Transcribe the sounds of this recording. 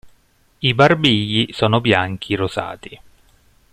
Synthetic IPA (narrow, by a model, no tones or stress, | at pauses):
ibarbiʎːisɔːnobjaŋk̟ʰiroza̰ːt̪i